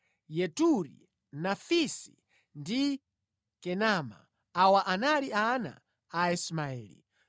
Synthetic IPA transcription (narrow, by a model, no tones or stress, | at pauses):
jɛtuɾḭ | nafisḭ | ndi | kɛnama̰ː | waʔanaliana̰ː | ismaɛːlḭ